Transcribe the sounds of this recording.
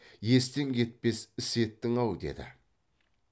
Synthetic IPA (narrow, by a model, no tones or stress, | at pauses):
je̞s̬t̪eŋkʲʰe̞t̪̚pe̞sɪse̞t̪ːɪŋɑwd̪e̞̰d̪ɪ̰